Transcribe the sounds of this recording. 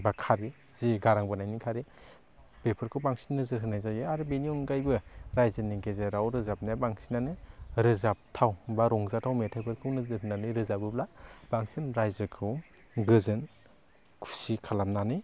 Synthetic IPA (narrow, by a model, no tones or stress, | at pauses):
bakʰaɾi | ziɡaɾaŋbɯnajnikʰaɾi | bepʰɯɾkʰɯwbaŋsi̥nːɯzɯɦɯnajzajɯaɾɯbeniɔnɡajbɯɾajzɯniɡezeɾawɾɯzap̚nabaŋsinanɯɾɯzap̚tʰawbaɾɔŋzatʰawmetʰajpʰɯɾkʰɯwnɯzɯɦɯnːanɯɾɯzabɯblab̥aŋsinɾajzɯkʰɯw | ɡɯzɯn | kʰu̥sikʰalamnanɯ